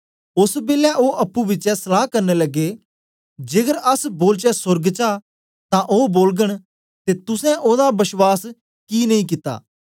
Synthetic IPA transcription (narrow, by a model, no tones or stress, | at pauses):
ʊsbeːlɛʔoːʔɐpːuːʋɪt͡ʃɛsəlaːkəɾneːləɡːeː | d͡ʒeːɡəɾəsboːlt͡ʃɛsʊɾɡt͡ʃaː | t̪ãʔoːboːlɡəɽ̃ | t̪eːt̪ʊsɛ̃ʔoːd̪abɪʃwaːs | kiːnɐĩːk̬ɪt̪a̰ː